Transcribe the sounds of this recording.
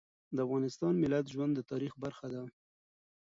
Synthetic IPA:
d̪əafɣɑnɪst̪ɑnmɪlat̪ʒwand̪ːət̪ɑɾixbaɾxad̪a

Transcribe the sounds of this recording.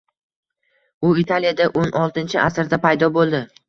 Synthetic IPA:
ʊit̪ʰalijad̪aʔonʔɒlˠt̪ɪnt͡ʃʰɪʔasɾd̪apajd̪ɒbolˠd̪ɪ

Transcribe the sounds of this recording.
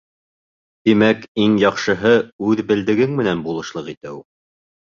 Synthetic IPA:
t̪imækiŋjɑqʃɤ̆ɦɤʉðbɘ̆ld̪ɘ̆ɡɘŋmɘ̆nænbulˠɤ̆ʃlˠɤqit̪ɘu

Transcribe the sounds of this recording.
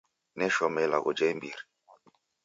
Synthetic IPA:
nɛʃɔmɛla̰ɡo̰d͡ʒɛmbiɾi

